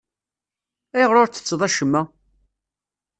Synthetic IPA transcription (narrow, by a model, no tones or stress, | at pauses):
æjʁɾoɾt͡s̪ːə̥t͡sːðˤæʃəmːæ